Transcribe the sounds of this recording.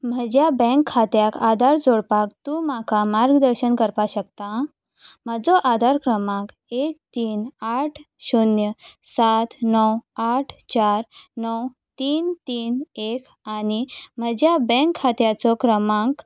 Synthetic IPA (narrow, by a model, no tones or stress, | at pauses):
m̤əd͡ʑjabɛ̃ŋkʰːat̪jakad̪ʱaɾd͡zoɽpak̚t̪ũmakamaɾɡd̪əɾɕənkəɾpaɕəkt̪a | məd͡zɔʔad̪ʱaɾkɾəmãk | ek̚t̪iːnaʈʰ | ɕunjəsat̪nɔwaʈʰt͡ɕaɾnɔw | t̪iːnt̪iːnek | añim̤əd͡ʑjabɛ̃ŋkʰːat̪jat͡sɔkɾəmãk